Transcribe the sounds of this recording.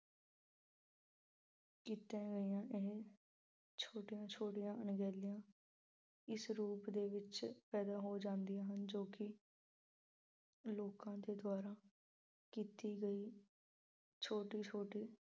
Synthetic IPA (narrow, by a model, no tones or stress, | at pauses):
kiːt̪ãːɡəiːãːʔeɦ | t͡ʃʰoːʈijãːt͡ʃʰoːʈijãːənɡɛːlijãː | ɪsɾuːpd̪eːʋɪt͡ʃpɛːd̪aːɦoːd͡ʒãːnd̪ijãːɦənd͡ʒoːkɪ | loːkãːd̪eːd̪ʊwaːɾaː | kiːt̪iːɡəiː | t͡ʃʰoːʈiːt͡ʃʰoːʈiː